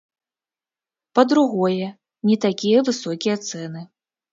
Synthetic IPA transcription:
pɐd̪ɾuɣɔjɛ | nʲɛt̪akʲijɐvɨsɔkʲijɐt̪sɛnɨ

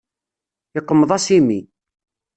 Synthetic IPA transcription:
ɪqːəmːəðˤɑsimi

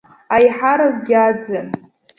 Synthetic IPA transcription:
ajħaɾakɡʲad͡zɨn

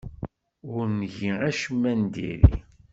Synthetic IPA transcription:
ʊɾnʝiæʃəmːænd̪ḭɾḭ

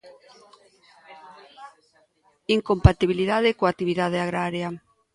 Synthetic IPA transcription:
iŋkompat̪iβiliðaðɪkoak̚t̪iβiðað̞eaɣɾaɾja

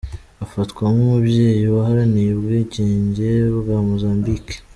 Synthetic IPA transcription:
afatkwamumubje̞ːjiwaɦaɾanijebɡeɟeːɲɟe̞βɡamozaːmbike̥

